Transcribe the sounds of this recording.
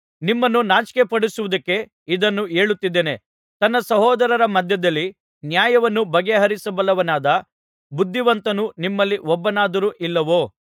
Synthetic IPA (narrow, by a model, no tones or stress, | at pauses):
nimːɐnːunaːt͡ʃkepɐɽisuʋud̪ɐkːe̞ | id̪ɐnːueːɭut̪ːid̪ːene̞ | t̪ɐnːɐsɐɦɔːd̪ɐɾɐɾɐmɐd̪ʱjɐd̪ɐlːi | njaːjɐʋɐnːubɐɡeɦɐɾisɐbɐlːɐʋɐnaːd̪ɐ | bud̪ʱːiʋɐnt̪ɐnunimːɐlːiʔɔbːɐnaːd̪ɐɾuːʔilːɐʋoː